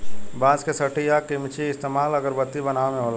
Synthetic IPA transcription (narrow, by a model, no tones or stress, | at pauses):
bãːd͡ʒkesɐʈijakimt͡ʃiɪst̪eːmaːləɡəɾbət̪ːibɐnaːmẽɦoːla